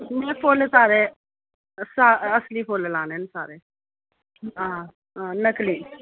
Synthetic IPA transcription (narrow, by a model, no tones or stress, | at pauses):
mẽːpʰoːlesaːɾeː | saːəsliːpʰoːlelãːnensaːɾeː | ɦãː | ɦãːləkliː